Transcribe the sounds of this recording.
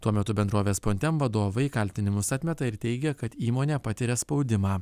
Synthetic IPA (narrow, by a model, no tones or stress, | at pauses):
t̪uɔmʲɛt̪ʊbʲɛnd̪ɾoːʋʲeːspoːnʲt̪ʲɛmʋɐd̪oːʋɐɪkɐlʲt̪ʲɪnʲɪmʊsɐt̪ʲmʲɛt̪ɐɪɾt̪ʲɛɪɡʲɛkɐt̪iːmoːnʲɛːpɐt̪ʲɪɾʲɛspɒʊd̪ʲɪmɑː